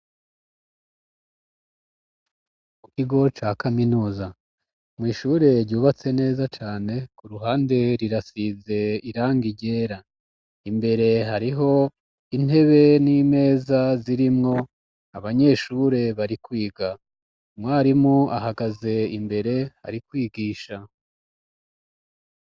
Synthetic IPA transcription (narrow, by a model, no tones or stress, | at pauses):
kukiɡo̞t͡ʃaːkaminuːza | mŋwiːʃuːɾe̞ɾɟuːβat͡se̞ne̞ːzat͡ʃaːne̞kuɾuɦaːnde̞ɾiɾasize̞iɾaːŋɡiɟe̞ːɾa | imbe̞ɾe̞ɦaɾiɦo̞ | in̥e̞βe̞nime̞ːzaziɾimŋo̞ | aβaɲe̞ːʃuɾe̞βaɾikwiːɡa | mŋwaːɾimŋoʔaɦaɡaze̞imbe̞ɾe̞ha̰ɾikwiːɡiːʃa